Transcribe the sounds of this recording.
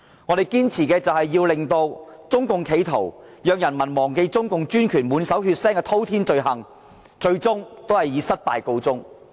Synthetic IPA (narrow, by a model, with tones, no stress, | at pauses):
ŋɔː˨˧ɾe˨jkiː˥nt͡sʰiː˨˩kɛː˧t͡sɐ˨whɐ˨jːiː˧wlɪ˨ŋt̪o˧wt͡sʊ˥ŋkʊ˨ŋkʰe˨˧jt̪ʰo̰˨˩w | jœː˨ŋjɐ˨˩nmɐ˨˩nmɔː˨˩ŋke˧jt͡sʊ˥ŋkʊ˨ŋt͡ʃyː˥nkʰyː˨˩nmuː˨˧˥nsɐ˨˥whyː˧t̚sɛː˥ŋkɛː˧t̪ʰo˥wt̪ʰiː˥nt͡ʃɵ˧ɥɦɐ˨ŋ | t͡ʃɵ˧ɥt͡sʊ˥ŋt̪o˥whɐ˨jiː˨˧˥sɐ˥t̚pa̰ː˨jko˧wt͡sʊ˥ŋ